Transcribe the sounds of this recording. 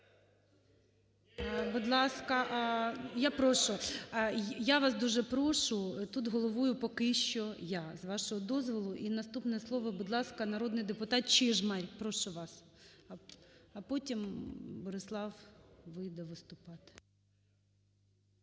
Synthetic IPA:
bʊd̪lˠɑskɐʔjapɾɔʃʊ | jaʋɑsd̪uʒɛpɾɔʃʊt̪ut̪ɦɔlˠɔʋujʊpɔkɪʃt͡ʃɔjazʋɑʃɔɦɔd̪ɔzʋɔlˠʊʔinɐst̪upnɛslˠɔʋɐbʊd̪lˠɑskɐnɐɾɔd̪nɪjd̪epʊt̪ɑt̪̚t͡ʃɪʒmɛɾʲpɾɔʃʊʋɑs | ɐpɔtʲimbɔɾɪslˠɑwʋɪjd̪ɛʋɪst̪ʊpɑt̪ɪ̥

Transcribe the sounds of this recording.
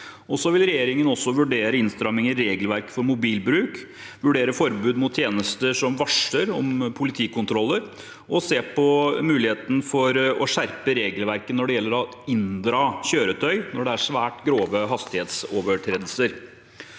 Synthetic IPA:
ɔsɔʋɪlɾɛjeːɾɪŋənɔsːɔʋʉɖeːɾəɪnst̪ɾɑmɪŋəɾɾeːɡəlʋæɾkfɔɾmʊbiːlbɾʉːk | ʋʉɖeːɾəfɔɾbʉːd̪mʊt̪ʰːjeːnəst̪əʂɔmʋɑʂəɾɔ̰mpʰʊlɪt̪ʰiːkʊnt̪ʰɾɔlːəɾ | ɔseːpɔmʉːlɪheːt̪ən̩fɔɾɔʂæɾpəɾeːɡəlʋæɾkənɔɖɛjɛlːəɾɑɪnd̪ɾɑːçøːɾət̪ʰœʏnɔɖɛæʂʋæːʈɡɾoːʋəɦɑst̪ɪheːt̪sɔːʋəʈ̪ʰɾeːd̪l̩səɾ

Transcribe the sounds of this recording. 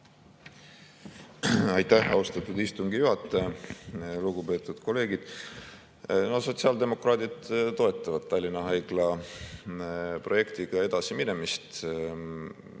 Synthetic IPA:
ɑjt̪ːæhɑ̰ust̪ɑt̪ːˑud̪̥ist̪uŋɡ̥ijuɦɑt̪ːˑɑjɑ | luɡupe̞t̪ːˑud̪̥ko̞le̞ːɡid̪̥ | no̞hso̞t̪siɑld̪e̞mo̞krɑːt̪ʲid̪t̪o̞e̞t̪ːˑɑvɑd̪̥̚t̪ːɑlʲːinɑɦɑjɡ̥lɑ | pro̞je̞kt̪iɡ̥ɑe̞d̪̥ɑsimine̞mist̪

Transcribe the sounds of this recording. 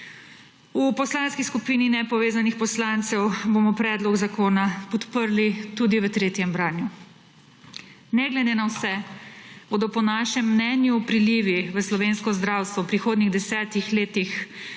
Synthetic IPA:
upɔslaːnskiskupiːninɛpɔʋeːzanixpɔslant̪sɛwboːmɔpɾɛːd̪lɔɡzakoːnapɔt̪pəɾlit̪uːd̪iʋət̪ɾeːt̪jɛmbɾaːnju | nɛɡlɛd̪eːnawsɛ | boːd̪ɔpɔnaːʃɛmːnɛːnjupɾiliːʋiʋəslɔʋeːnskɔzd̪ɾaːwst̪ʋɔwpɾixoːd̪niɣd̪ɛsɛːt̪ixleːt̪ix

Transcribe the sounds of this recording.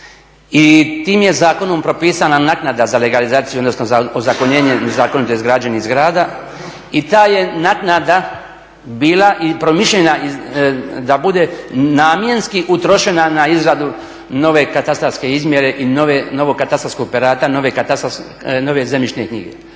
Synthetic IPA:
it̪iːmje̞zaːko̞nompɾo̞piːsananaknad̪azale̞ɡalizaːt̪sijuod̪no̞snozaozakoɲeːɲezaːkonit̪oizɡɾad͡ʒenizɡɾaːd̪a | it̪aːje̞naknad̪a | biːlaʔipɾo̞miʃʎenai | d̪abud̪e̞naːmjenskiʔut̪ɾo̞ʃe̞nanaizɾad̪u | no̞ʋe̞kat̪ast̪ɾaɾske̞izmjeɾe̞ʔinoʋeno̞ʋoɡkːat̪ast̪ɾaskoɡpeɾaːt̪ano̞ʋe̞kat̪a | no̞ʋe̞zemit͡ʃnekɲḭɡḛ

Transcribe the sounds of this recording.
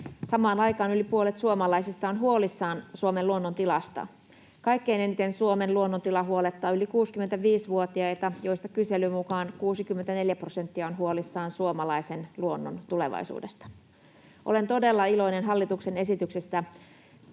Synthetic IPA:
sɑmɑːnɑjkɑːnylipuolet̪suomɑlɑisist̪ɑonɦuolisːɑːnsuomeluonːont̪ilɑst̪ɑ̰ | kɑjkːe̞inenit̪e̞nsuomenluonːont̪ilɑɦuolet̪ːɑːylikuːskyment̪æʋiːsʋuot̪iɑjt̪ɑjo̞ist̪ɑkyse̞lymukɑːnkuːsikymːent̪æne̞ljæprose̞nt̪ːiɑonɦuolisːɑːnsuomɑlɑisenluonːo̰nt̪ule̞̰ʋɑ̰isṵːde̞st̪ɑ̥ | ʔole̞nt̪o̞de̞lːɑilo̞inenɦɑlːit̪uksene̞sit̪yksest̪æ

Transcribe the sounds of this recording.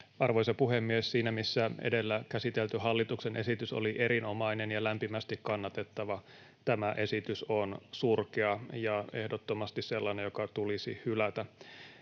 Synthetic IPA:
ɑrʋojsɑpuɦemːiessiːnæmisːæḛdelːækæsit̪elt̪yɦɑlːit̪uksenʔesit̪yso̰liʔe̞ɾino̞mɑinenjɑlæmpimæst̪ikkɑnːɑt̪e̞t̪ːɑʋɑ | t̪æmæʔe̞sit̪ysonsurkeɑjɑe̞hdot̪ːomɑst̪isselːɑnejokɑt̪ulisḭhylæt̪æ

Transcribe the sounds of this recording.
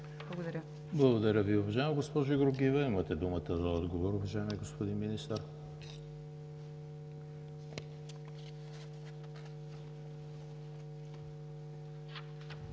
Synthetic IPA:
ɐɡd̪ɐɾʲə | blˠɐɡod̪ɐɾʲəviʊvɐʒaɛmɡospɔʒʊiɡɾoɡivəimət̪ɛd̪umət̪əzɐɔd̪ɡovoɾʊvɐʒaɛmiɛɡospod̪inminist̪əɾ

